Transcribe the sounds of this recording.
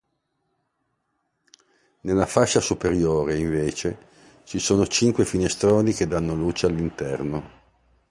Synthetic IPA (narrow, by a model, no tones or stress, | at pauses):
nelːafaʃːasupeɾjoːɾeiɱveːt͡ʃe | t͡ʃisoːnot͡ʃiŋkwefinest̪ɾoːniked̪anːoluːt͡ʃealːint̪ɛrno